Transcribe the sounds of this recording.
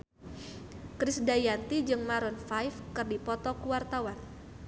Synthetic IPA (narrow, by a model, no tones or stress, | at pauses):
kɾɪsdajant̪id͡ʒɨŋmaɾɔnfajfkɨrdipɔt̪ɔkuwart̪awan